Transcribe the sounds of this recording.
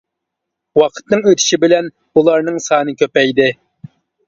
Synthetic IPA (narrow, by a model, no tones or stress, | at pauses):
wɑqʰə̥t̪nɨŋøt̪ʰɪ̥ʃibɪlɛn | ulˠɑɾnɨŋsɑːnɨkʲʰøpɛjd̪ɪ